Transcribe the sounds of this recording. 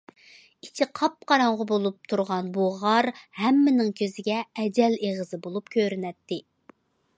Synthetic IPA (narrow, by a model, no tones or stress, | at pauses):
it͡ʃʰɪqʰɑp̚qʰɑɾɑɴʁɑbolˠup̚t̪ʰuɾʁɑnbuʁɑɾhɛmːɪnɪŋkʲʰøzɪɡʲɛɛd͡ʒɛleʁəzɨbolˠup̚kʲʰøɾɪnɛt̪ːɪ